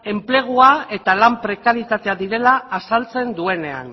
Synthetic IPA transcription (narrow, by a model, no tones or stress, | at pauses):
e̞mple̞ɣ̞uae̞t̪alampɾe̞kaɾjit̪at̪e̞aðiɾe̞laːsalt͡se̞nd̪ue̞ne̞a̰n